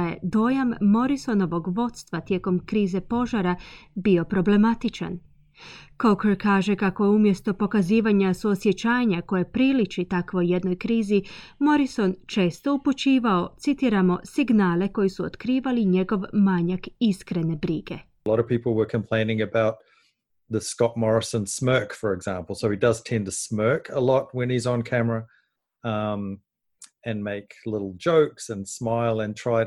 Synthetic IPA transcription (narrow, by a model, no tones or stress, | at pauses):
je̞̰d̪o̞jamːo̞ɾiso̞no̞ʋo̞ɡʋo̞t̪st̪ʋat̪je̞ːko̞mkɾiːze̞po̞ʒaɾabio̞pɾo̞ble̞mat̪it͡ʃa̰n | kokeɾkaːʒe̞kako̞jeumje̞st̪o̞po̞kaziːʋaɲasuosje̞t͡ʃaːɲako̞jepɾilit͡ʃit̪akʋo̞jːe̞d̪no̞jkɾiːzimo̞ɾiso̞nt͡ʃe̞ːst̪o̞uput͡ɕiːʋao̞t̪sit̪iɾamo̞siɡnaːle̞ko̞jisuot̪kɾiːʋaliɲe̞ɡo̞ʋmaːɲakiskɾe̞ne̞bɾiɡ̥e̞̰ | lɔɾʌv̥pipl̩ˠwə˞kʰɨ̃mpʰl̥ẽɪ̃nɪ̃ŋɨbaʊt̪̚ | ðəskɑt̚mɔɹɨsə̃nsmɜ˞kfə˞ɨɡzæ̃mpl̩ˠsoʊid̥ʌz̥tʰɛ̃ntʰəsmɜ˞kʰəlɔt̚wə̃nizn̩kʰæmə˞ə | ʌ̃m | ɨ̃nmeɪklɪɾl̩ˠd͡ʒoʊksɨ̃nsmaɪlˠɨ̃ntʰɹ̥aɪ